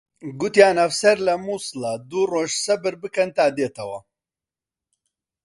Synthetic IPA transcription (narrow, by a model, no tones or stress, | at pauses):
ɡʊt̪jaːnɐfsɐɾlɐmuːsɨlɐd̪uːroːʒsɐbɨɾbɨkɐnt̪aːd̪eːt̪ʰɐwɐ